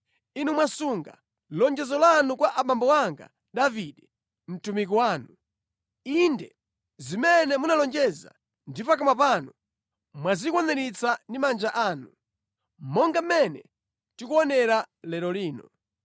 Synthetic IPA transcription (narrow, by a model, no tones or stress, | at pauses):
inumwasuŋɡa̰ | lɔnd͡ʒɛzɔlanukwaʔaɓambɔwaŋɡa̰ | ɗaviɗɛ | m̩tumik̬ɔwaːnu | indɛ | zimɛnɛmunalɔnd͡ʒɛza̰ | ndipak̬amapanɔ | mwazikwɔnɛnit͡sʰandimand͡ʒaʔaːnu | mɔŋɡamɛnɛ̰ | tikuɔnɛɾalɛɾɔliːnɔ